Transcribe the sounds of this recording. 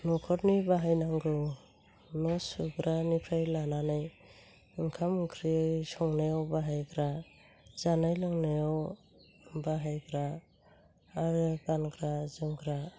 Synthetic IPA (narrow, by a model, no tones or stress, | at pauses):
nɔkʰɔɾnibaɦajnaŋɡɯ | nɔsuɡɾanipʰɾajlananaj | ɯŋkʰamkʰɾisɔŋnajawbaɦajɡɾa | zanajlɯŋnajɔw | baɦajɡɾaː | ɾɯɡanɡɾazɯmɡɾa